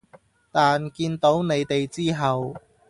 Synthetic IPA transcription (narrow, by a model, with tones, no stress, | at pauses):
t̪aː˨nkiː˧nt̪o˨˥wne˨˧jt̪e˨jt͡siː˥ɦɐ˨w